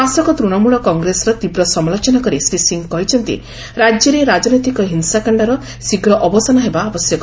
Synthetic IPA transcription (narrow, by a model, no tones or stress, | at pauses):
asɔkɔt̪ɾuɽɔmuɭɔkɔŋɡɾesɔɾɔt̪ibɾɔsɔmlɔt͡ʃɔnakɔɾisisiŋkɔɦit͡ʃʰɔnt̪ḭ | ɾad͡ʒjɔɾeɾad͡ʒɔnɔjt̪ikɔɦinsakaɳɖaɾɔ | siɡɾɔʔɔbɔsanɔɦebaːbɔsjɔkɔ